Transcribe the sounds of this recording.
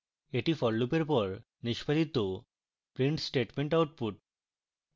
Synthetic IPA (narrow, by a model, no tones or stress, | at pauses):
eʈifɔllupeɾpɔɾ | niʃpʰad̪it̪o | pɾiɳʈsʈeʈmeɳʈawʈ̚puʈ̚